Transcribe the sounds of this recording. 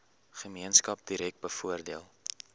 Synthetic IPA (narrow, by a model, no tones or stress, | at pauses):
χəmiənskɐp̚diɾɛk̚t̚bəfuərdiəlˠ